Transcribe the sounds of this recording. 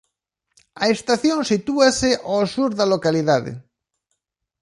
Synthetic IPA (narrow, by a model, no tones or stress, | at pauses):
aest̪aθjõnsit̪uaseʔasuɾðalokaliðaðḛ